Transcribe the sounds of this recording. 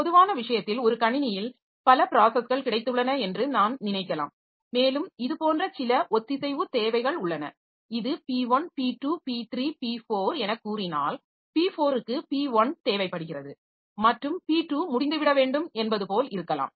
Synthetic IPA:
pɔðɯʋaːnɐʋɪʂɐjɐt̪ːɪlɔɾɯkɐɳɪnɪjɪl | pɐlɐpɪɾaːsɛsɣɐɭkɪɽɐɪt̪ːɯɭːɐnɐɛndrɯnaːnnɪnɐɪkːɐla̰ːm | meːlɯmɪðɯpoːndrɐsɪlɐʔɔt̪ːɪsɛɪʋɯt̪eːʋɐɪɣɐɭʊɭːɐnɐ̰ | ɪðɯpiːʋɐnpiːʈːupiːt̪ɾiːpiːfoːɾɛnɐkːuːrɪna̰ːl | piːfoːɾɯkːɯpiːʋɐnt̪eːʋɐɪpːɐɽɯɣɪrɐðɯ | mɐʈrɯmpiːʈːuːmʊɽɪnd̪ɯʋɪɽɐʋeːɳɖɯmɛnbɐðɯpoːlɪɾɯkːɐla̰ːm

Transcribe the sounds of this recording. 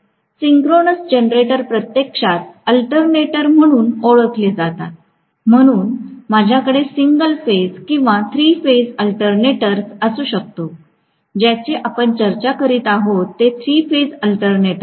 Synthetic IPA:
siŋkɾonəsd͡ʑenɾeʈəɾpɾət̪jekʂat̪̚əlʈəɾneʈəɾm̤əɽ̃uːnoɭət̪ʰled͡zat̪a̰t̪̚ | m̤əɽ̃uːnmad͡ʑʱjakəɽesiŋɡəlfed͡zkĩw̃ʋat̪ʰɾiːfed͡zəlʈəɾneʈəɾsəsuːɕək̚t̪o | d͡ʑjat͡ɕeʔapəɳt͡ɕəɾt͡ɕakəɾiːt̪aɦot̪ːet̪ʰɾiːfed͡zəlʈəɾneʈə

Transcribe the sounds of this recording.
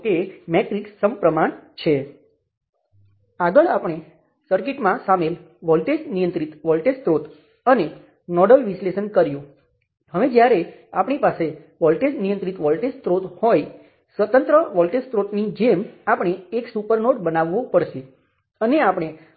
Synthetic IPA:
kemeʈɾiksəmpɾəmaɳt͡ʃʰe | aɡəɭapɳ̃e | səɾkiʈmãsamel | ʋɔlʈesnijənt̪ɾit̪ʋɔlʈest̪ɾot̪ | əne | nɔɖəlʋisleʃənkəɾjũ | ɦəʋed͡ʒjaɾeapɳ̃ipase | ʋɔlʈesnijənt̪ɾit̪ʋɔlʈest̪ɾot̪hoj | sʋət̪ənt̪ɾəʋɔlʈest̪ɾot̪nid͡ʒemapəɳ̃eːksupəɾnoʈ̚bənaʋːopəɾʃe | əneapəɳ̃e

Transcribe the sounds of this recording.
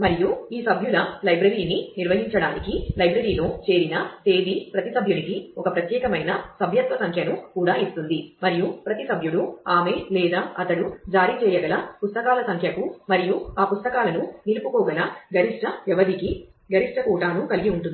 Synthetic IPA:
mɐɾijuiːsɐbʱjulɐlɐjbɾɐɾiːniniɾʋɐɦiɲt͡ʃɐɽaːnikilɐjbɾɐɾiːlo̞ːt͡ʃe̞ːɾinɐt̪e̞ːd̪ipɾɐt̪isɐbʱjunikiɔkɐpɾɐt̪jɛːkɐmɐjnɐsɐbʱjɐt̪ʋɐsɐŋkʰjɐnukuːɽaːist̪und̪imɐɾijupɾɐt̪isɐbʱjuɽuaːmeːlɛːd̪aːɐt̪ɐɽud͡ʒaːɾiːt͡ʃɛːjɐɡɐlɐpust̪ɐkaːlɐsɐŋkʰjɐkumɐɾijuaːpust̪ɐkaːlɐnunilupukɔːɡɐlɐɡɐɾiʂʈɐʋɛʋɐd̪iki | ɡɐɾiʂʈɐkuːʈaːnukɐliɡiuɳʈund̪i

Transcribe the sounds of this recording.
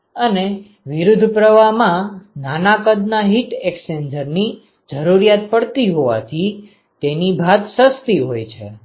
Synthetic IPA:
əne | ʋɪɾud̪ʱpɾəʋamãnanakəd̪naɦiʈeksend͡ʒəɾni | d͡ʒəɾuɾijat̪̚pəɽt̪iɦoʋa̰t̪ʰi | t̪enibʱad̪səst̪iɦojt͡ʃʰḛ

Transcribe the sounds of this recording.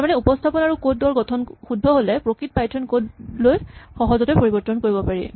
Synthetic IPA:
taɹmanɛupɔstʰapɔnaɹukod̚dɔɹɡɔtʰɔnxudʱːɔɦolɛpɹokɹit̚pajtʰɔnkodlojxɔɦɔzɔtɛpoɹibɔɹtːɔnkoɹibɔpaɹi

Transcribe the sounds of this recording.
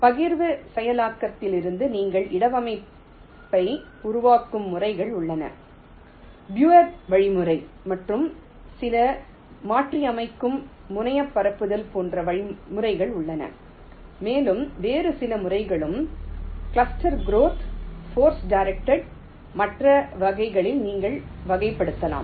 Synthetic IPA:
pɐɣɪɾʋɯsɛjɐlaːkːɐt̪ːɪlɪɾɯnd̪ɯniːŋɡɐɭʔɪɽɐʋɐmɐɪ | pːɐɪ | ʊɾʊʋaːkːɯmːʊrɐɪɣɐɭʊɭːɐnɐ̰ | bjuːɐɾʋɐɻɪmɯrɐɪ | mɐʈrɯm | sɪlɐ | maːʈriɐmɐɪkːɯmː | ʊnɐjɐpːɐɾɐpːɯðɐlpoːndrɐʋɐɻɪmɯrɐɪɣɐɭʊɭːɐnɐ̰ | meːlɯmʋeːrɯsɪlɐmʊrɐɪɣɐɭɯm | kɭɐsʈɐɾɡɾoːt̪ʰfoːɾsɖaɪɾɛk̚ʈɐɽ | mɐʈrɐʋɐɣɐɪɣɐɭɪlniːŋɡɐɭʋɐɣɐɪpːɐɽɯt̪ːɐla̰ːm

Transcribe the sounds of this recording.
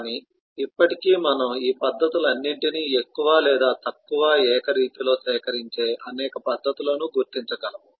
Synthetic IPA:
kaːniː | ipːɐʈikiːmɐnɐmiːpɐd̪ʱːɐt̪ilɐnːiɳʈiniːekːuʋaːlɛːd̪aːt̪ɐkːuʋaːɛːkɐɾiːt̪ilo̞ːsɛːkɐɾiɲt͡ʃe̞ːʔɐnɛːkɐpɐd̪ʱːɐt̪uloːnuɡuɾt̪iɲt͡ʃɐɡɐlɐmu

